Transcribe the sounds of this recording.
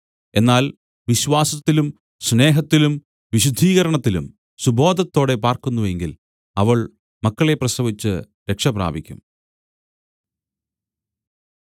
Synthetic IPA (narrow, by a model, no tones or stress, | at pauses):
e̞nːaːl | ʋiɕwaːsɐt̪ːilum | sne̞ːɦɐt̪ːilum | ʋiɕud̪ʱːiːɣɐɾɐɳɐt̪ːilum | subo̞ːd̪ʱɐt̪ːo̞ːɽe̞paːrkunːuʋe̞ŋɡil | ɐʋɐɭ | mɐkːɐɭe̞prɐsɐʋit͡ɕːɨ | ɾe̞kʂɐpra̰ːbʱikʲːṵm